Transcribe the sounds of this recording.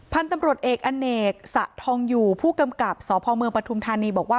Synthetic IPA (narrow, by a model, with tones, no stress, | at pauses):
pʰa˧nt̪a˧mɾu˨˩ət̪̚ʔeː˨˩k̚ʔa˧nːeː˨˩k̚sa̰˨˩ʔt̪ʰɔː˧ŋjuː˨˩pʰuː˥˩ka˧mka˨˩p̚sɔː˨˩˦pʰɔː˧mɯ˧ŋpɾa˧t̪ʰu˧mt̪ʰaː˧niː˧bɔː˨˩k̚waː˥˩